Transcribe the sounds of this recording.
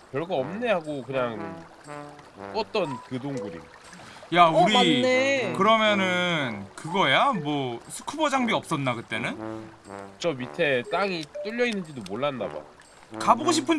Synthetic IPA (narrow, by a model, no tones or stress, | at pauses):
kjʌɭɡaʌmne̞ɦaɡokɯɲaŋ | k͈ʌt͈ʌnkɯdoŋɡuɾḭ | jauɾiekɯɾʌmjʌnɯnkɯɡʌjamwʌsʰu̥kʰubʌd͡ʑaŋbiʌp̚s͈ʌnːakɯt͈e̞nɯn | t͡ɕʌmitʰe̞t͈aŋit͈ɯʎːʌinːɯnd͡ʑidomoɭːanda̰ba̰ | kaboɡoɕʰipʰɯn